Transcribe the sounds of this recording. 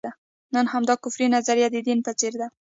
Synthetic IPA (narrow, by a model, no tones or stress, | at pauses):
a | nənhamd̪ɑkʊfɾinazaɾjad̪ɪd̪inpat͡seɾd̪a